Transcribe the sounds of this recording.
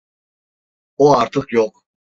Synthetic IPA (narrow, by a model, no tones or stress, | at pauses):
ɔaɾt̪ʰɨqʰjɔqʼ